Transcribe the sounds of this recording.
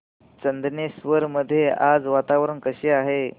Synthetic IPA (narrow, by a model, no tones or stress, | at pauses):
t͡ɕənd̪njesʋəɾməd̪ʱːjeʔad͡zʋat̪aʋɾəɳkəɕeːaɦe